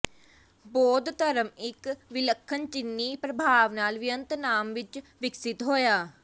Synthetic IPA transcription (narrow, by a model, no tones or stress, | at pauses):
bɔːd̪t̪əɾəmɪkʋɪləkʰːənt͡ʃɪnːiːpɾəbʱaːʋnaːlʋɪjə̃nt̪naːmʋɪt͡ʃʋɪksɪt̪ɦoːjaː